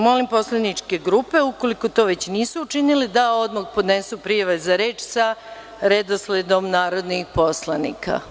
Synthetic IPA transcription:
mo̞limpo̞slˠanit͡ʃke̞ɡɾupe̞uko̞liko̞t̪o̞ːʋe̞t͡ɕniːsuːt͡ʃinilid̪aod̪mokpo̞d̪nesupɾiːjaʋazaɾe̞ːt͡ʃsa | ɾed̪osled̪o̞mnaːɾo̞d̪nixpo̞slˠanḭkʰa̰

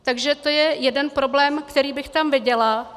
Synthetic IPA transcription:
t̪aɡʒɛt̪o̞jɛjɛdɛnpɾo̞blɛːmkt̪ɛɾiːbɪxt̪amvɪɟɛla

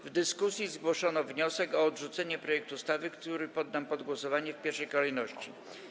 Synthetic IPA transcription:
vd̪ɘskusʲjizɡwɔʂɔnɔvɲɔsɛkɔːd̪ʐut̪sɛɲɛpɾɔjɛkt̪ust̪avɘkt̪uɾɘpɔd̪ːampɔd̪ɡwɔsɔvaɲɛfpʲjɛɾʂɛjkɔlɛjnɔɕt͡ɕi

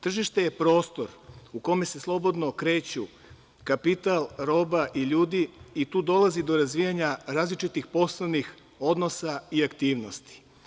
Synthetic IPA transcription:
t̪r̩ʒiʃt̪e̞je̞pɾo̞ːst̪o̞ɾuko̞me̞se̞slˠo̞bo̞d̪no̞kɾe̞ːt͡ɕu | kapit̪alˠɾo̞ːbaʔiʎuːd̪iit̪uːd̪o̞lazid̪o̞ɾazʋijaɲaɾaːzlit͡ʃit̪ixpo̞slˠoʋnix | o̞d̪no̞saiakt̪iːʋno̞st̪i̥

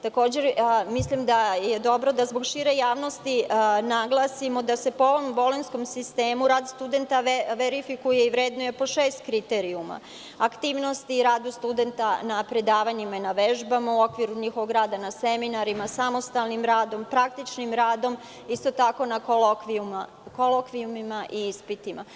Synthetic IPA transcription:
t̪ako̞ːd͡ʑe̞ɾmislimd̪ajed̪o̞bɾo̞d̪azboɡʃiɾe̞jaːʋno̞st̪inaɡlˠasimo̞d̪ase̞poo̞ʋo̞mbo̞lensko̞msist̪eːmuɾaːd̪st̪ud̪e̞nt̪aʋeɾifikuje̞iʋɾeːd̪noje̞po̞ʃeːst̪kɾit̪eɾiuma̰ | akt̪iːʋno̞st̪iɾaːd̪ust̪ud̪e̞nt̪anapɾe̞d̪aːʋaɲimainaʋeʒbamauo̞kʋiɾuɲixoʋo̞ɡɾaːd̪anaseminaɾimasamo̞st̪alˠnimɾaːd̪o̞mpɾakt̪it͡ʃnimɾaːd̪o̞m | ist̪o̞t̪ako̞nakolokʋiuma | kolokʋiumimaʔiispit̪ima̰

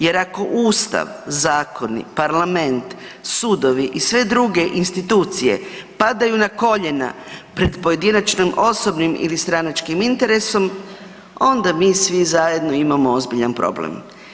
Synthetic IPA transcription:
je̞ɾako̞ʔuːst̪a̰ʋzaːko̞nḭpaɾlame̞nt̪ | suːd̪o̞ʋiʔisʋe̞d̪ɾuɡe̞ʔinst̪it̪uːt̪sije̞̰pad̪ajunako̞ʎena̰pɾe̞d̪po̞je̞d̪inat͡ʃnimo̞so̞bnimḭlist̪ɾanat͡ʃkimint̪e̞ɾe̞so̞m | o̞nd̪amiːsʋizaje̞d̪no̞imamoozbiʎanpɾo̞̰blḛm

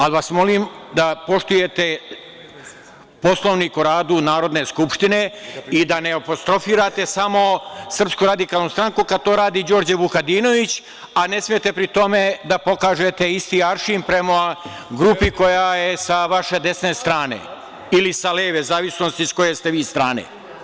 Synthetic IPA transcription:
alʋasmo̞limd̪apo̞ʂt̪uje̞t̪e̞ | po̞slˠo̞ʋniːkoɾaːd̪unaːɾo̞d̪ne̞skupʃt̪ine̞id̪ane̞opo̞st̪ɾo̞fiːɾat̪e̞samo̞sr̩pskuɾad̪ikaːlˠnust̪ɾaŋkukad̪̚t̪o̞ːɾaːd̪id͡ʑo̞ːɾd͡ʑebukad̪iːno̞ʋit͡ɕ | ane̞smijet̪e̞pɾit̪o̞me̞d̪apo̞kaːʒe̞t̪e̞ist̪iaɾʃimpɾe̞mo | ɡɾupiko̞jajesaʋaʃe̞d̪e̞sne̞st̪ɾaːnḛ | ilisaleːʋezaːʋisno̞st̪isko̞je̞st̪e̞ʋiːst̪ɾaːnḛ

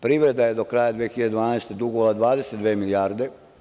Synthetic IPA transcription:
pɾiːʋɾe̞d̪aje̞d̪o̞kɾaːjad̪ʋeexiʎead̪d̪ʋaːnaːst̪ed̪uɡoʋolad̪ʋaːd̪esed̪ʋeːmilijaːɾd̪e̞

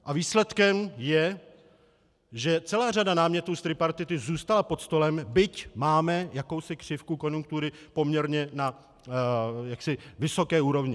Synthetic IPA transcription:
ʔaviːslɛt̪kɛmjɛ | ʒɛt͡sɛlaːr̝adanaːmɲɛt̪uːst̪ɾɪpaɾt̪ɪt̪ɪzuːst̪alapo̞t̪st̪o̞lɛmbɪcmaːmɛjako̞wsɪkr̝̥ɪfkuko̞njuŋk̚t̪uɾɪpo̞mɲɛɾɲɛna | jaksɪvɪso̞kɛːuːɾo̞vɲɪ

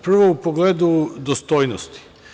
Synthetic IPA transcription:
pr̩ʋoupoɡleːd̪ud̪ost̪oːjnost̪i̥

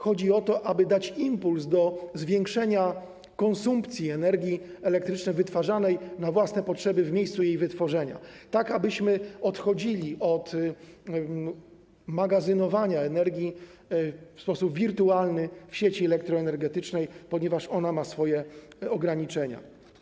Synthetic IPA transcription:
xɔd͡ʑiɔt̪ɔʔabɘd̪at͡ɕimpulsd̪ɔzvʲjɛŋkʂɛɲa | kɔnsumpt̪sʲjiɛnɛɾɡʲiɛlɛk̚t̪ɾɘt͡ʂnɛjvɘt̪faʐanɛjnavwasnɛpɔtʂɛbɘvmʲejst̪sujejvɘt̪fɔʐɛɲa̰t̪akabɘɕmɘɔt̪xɔd͡ʑilʲiʔɔt̪ | maɡazɘnɔvaɲaɛnɛɾɡʲi | fspɔsupvʲiɾt̪ualnɘfɕet͡ɕiɛlɛk̚t̪ɾɔɛnɛɾɡɛt̪ɘt͡ʂnɛjpɔɲɛvaʂɔnamasfɔjɛ | ɔɡɾaɲit͡ʂɛɲa̰

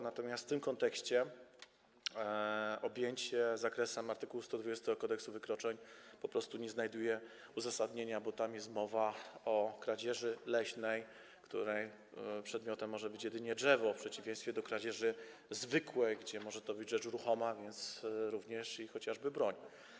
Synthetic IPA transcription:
nat̪ɔmʲast̪t̪ɘmkɔnt̪ɛkɕt͡ɕɛ | ɔbʲjeɲt͡ɕɛzakɾɛsɛmaɾt̪ɘkuwust̪ɔd̪vud͡ʑest̪ɛɡɔkɔd̪ɛksuvɘkɾɔt͡ʂɛɲpɔpɾɔst̪uɲɛznajd̪ujɛ | uzasad̪ɲeɲabɔt̪amjɛst̪mɔvaɔkɾad͡ʑɛʐɘlɛɕnɛj | kt̪ṵɾɛj | pʂɛd̪mʲjɔt̪ɛmːɔʐɛbɘt͡ɕjɛd̪ɘɲɛdʐɛvɔfpʂɛt͡ɕivʲẽj̃st̪fʲjɛd̪ɔkɾad͡ʑɛʐɘ | zvɘkwɛɡd͡ʑɛmɔʐɛt̪ɔbɘd͡ʑʐɛt͡ʂuɾuxɔmavʲjɛnt̪sɾuvɲɛʂixɔt͡ɕaʐbɘbɾɔɲ

